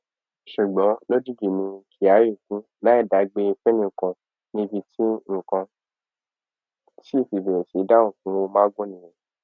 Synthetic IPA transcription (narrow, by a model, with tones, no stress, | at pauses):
ʃu˨ɡ͡bɔ̃˨˦lo˦d͡ʒi˦d͡ʒi˨nĩ˧kʰi˨a˨˦ɾi˦˨kũ˦ | la˦i˦˨da˨˦ɡ͡be˧fɛ˦nĩ˧˨kã˧ | nĩ˦bi˧tʰi˦ŋ̩˦˨kã˧ | ti˦˨fi˨be˨ɾe˨si˨˦da˦ŋ̩̃˨kũ˨˦wo˧mãː˦ɡõ˦nĩ˨jẽ˨